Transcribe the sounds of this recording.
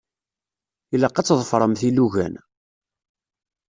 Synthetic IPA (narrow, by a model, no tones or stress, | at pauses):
ilːæqːɑt͡sːðˤfɾˤəmθiluʝæ̰n